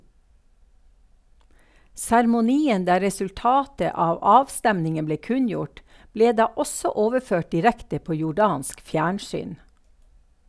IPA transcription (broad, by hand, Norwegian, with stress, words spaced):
sæɾmʊˈniːən ˈdæː ɾɛsʉlˈtɑːtə ˈɑːʋ ˈɑːʋˌstɛmnɪŋən ˈbleː ˈkʉnˌjʊʈ ˈbleː ˈdɑː ˈɔsɔ ˈoːʋəˌføːʈ dɪˈɾɛktə ˈpoː jʊˈɖɑːnsk ˈfjæːɳˌsyːn